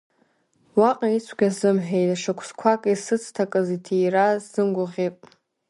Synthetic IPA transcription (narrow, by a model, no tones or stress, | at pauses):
waqʼait͡sʷʰɡʲazɨmħᶣejtʼaʂakʷʰskʷʰakʼisɨt͡sʰtʰakʼɨzitʰejrazɨmɡʷʊʁʲepʼ